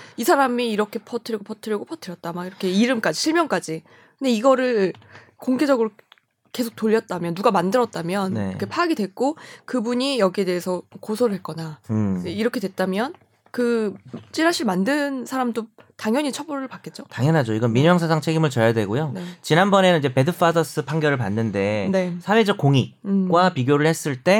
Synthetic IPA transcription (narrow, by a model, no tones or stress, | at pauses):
isʰaɾamiːɾʌkʰe̞pʰʌtʰɯɾiɡopʰʌtʰɯɾjiɡopʰʌtʰɯɾjʌt̚t͈amaiɾʌkʰe̞iɾɯmk͈ad͡ʑiɕʰiɭmjʌnk͈ad͡ʑi | kɯnde̞iɡʌɾɯ | koŋɡed͡ʑʌɡɯɾo | ke̞sʰok̚t͈oʎːʌt̚t͈amjʌnːuɡamandɯɾʌt̚t͈amjʌn̰kʰe̞pʰaːɡidwe̞k͈okɯbuɲijʌɡie̞de̞ːsʰʌkosʰʌɾɯɭɦe̞t̚k͈ʌnaeiɾʌkʰe̞dwe̞t̚t͈amjʌn | kɯt͡ɕ͈iɦaɕʰiɭmandɯnsʰaɾamdo | taŋjʌɲit͡ɕʰʌbʌɾɯɭpak͈e̞t̚t͡ɕ͈otaŋjʌnɦad͡ʑoiɡʌnmiɲjʌŋs̬ʰad͡ʑaŋt͡ɕʰe̞ɡimɯɭt͡ɕʌjadwe̞ɡojonet͡ɕinanbʌne̞nɯnid͡ʑe̞pe̞dɯpʰasʌs͈ɯpʰaŋɡjʌɾɯɭpanːɯnde̞ne̞sʰawed͡ʑʌkoŋiɡwapiɡjoɾɯɭhe̞s͈ɯɭt͈e̞